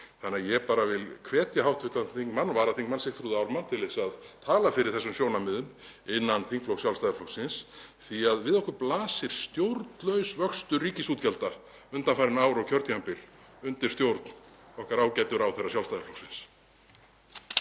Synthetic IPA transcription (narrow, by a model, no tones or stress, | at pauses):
θanːɪajɛpaːɾavɪlkʰvɛːt̪jahawht̪vɪht̪at̪ʰiŋkmanːvaːɾant̪ʰiŋkmansɪht̪ʰɾuðawɾmant̪ʰɪlɪsaðt̪ʰaːlafɪɾɪɾ̥θɛsʏmsjownamɪðʏm | ɪnːant̪ʰiŋkflowsjawlst̪ajðaflɔwsɪnsθiaðvɪðɔhkʏɾplaːsɪɾ̥st̪jowɾt̪lœɥsvœkst̪ʏriːcɪsuːt̪cɛlt̪a | ʏnt̪anfaɾɪnaːwɾawcʰœɾt̪jampɪl | ʏnt̪ɪ̥st̪jowɾt̪nɔhkaɾaːwcɛt̪ʏɾawθɛrːas̬jawlst̪ajðaflɔwsɪns